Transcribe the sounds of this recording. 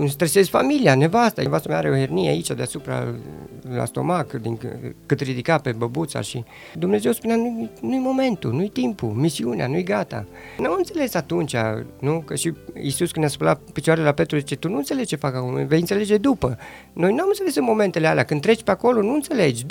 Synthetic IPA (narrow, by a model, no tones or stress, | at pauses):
ɨnst̪ɾese̞sfa̰milianevast̪avast̪ameaɾeohernieait͡ʃad̪easupɾa̰ | la̰st̪o̞̰makd̪inkɨt̪rid̪ikape̞bəbut̪sa̰ʃi | d̪umne̞zewspunjanujnujmo̞me̞nt̪unujt̪impṵmisiunea̰nujɡat̪a̰ | namɨnt̪se̞le̞sat̪unt͡ʃa̰nukəʃiisuskɨnaspəlat̪pit͡ʃoaɾelelapet̪ɾuzit͡ʃe̞t̪unuɨnt̪selezt͡ʃe̞fakakol̰ve̞jɨnt̪seled͡ʒe̞d̪upə | no̞jnuamɨnselesɨnmo̞me̞nt̪elealeakɨnɾet͡ʃpeako̞lo̞nuɨnt̪se̞led͡ʒʲ